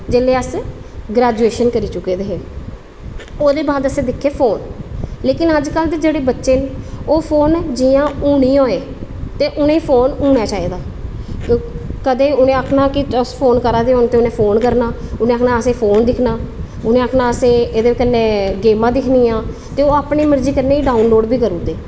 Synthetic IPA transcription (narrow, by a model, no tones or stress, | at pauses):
d͡ʒeːleːəsɡɾɛːd͡ʒuːeːʃənkəɾiːt͡ʃʊkːeːd̪eːɦeː | oːd̪eːbaːd̪əsẽːd̪ɪkʰːeːpʰoːnleːkɪnəd͡ʒkəld̪eːd͡ʒeːɽeːbətːʃeːnoːpʰoːnd͡ʒiːãːuːɳiːoːeː | t̪eːʔʊnẽːpʰoːnuːɳ̃aːt͡ʃaːiːd̪aː | kəd̪eːʊnẽːəkʰnaːkɪəspʰoːnkəɾaːd̪eːɦoːnt̪eːʊnẽːpʰoːnkəɾnaːʊnẽːkʰnaːəsẽːpʰoːnd̪ɪkʰnaː | ʊnẽːəkʰnaːəsẽːed̪eːkənːẽːɡeːmãːd̪ɪkʰniːãː | t̪eːoːaːpɳiːməɾd͡ʒiːkəɾneːiːɖaːunloːɖbiːkəɾuːd̪eː